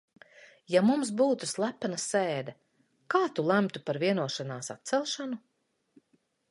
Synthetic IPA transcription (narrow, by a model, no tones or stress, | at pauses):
jamumsbuːt̪uslˠæpːanasɛːd̪ɛ | kaːt̪ulˠæmt̪upaɾviɛnuɔʃanaːsa̰t̪t̪sɛlˠʃanu